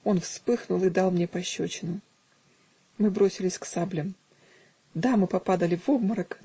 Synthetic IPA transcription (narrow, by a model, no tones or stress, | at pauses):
o̞nfspɨxnʊlˠɨd̪ɑlˠmnʲe̞pɐɕːot͡ɕɪnʊ | mɨbɾo̞sʲɪlʲɪsʲksablʲɪm | d̪amɨpɐpad̪əlʲɪvovməɾək